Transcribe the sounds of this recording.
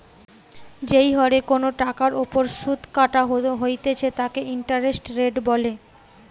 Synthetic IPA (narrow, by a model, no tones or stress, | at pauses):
d͡ʑejɦɔɽekonoʈakaɾopoɾʃud̪ʱkaʈaɦoɦojt̪et͡ɕʰet̪akeiɳʈaɾesʈɾeɖbɔle